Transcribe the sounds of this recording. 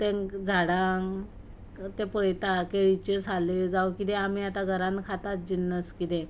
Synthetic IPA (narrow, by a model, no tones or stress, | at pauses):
t̪ẽŋkd͡zʱaɽaŋ | t̪ẽpəɭet̪akeɭit͡ɕesaled͡zawkit̪eam̤iat̪aɡʱəɾankʰat̪at̪̚d͡ʑinːəskit̪e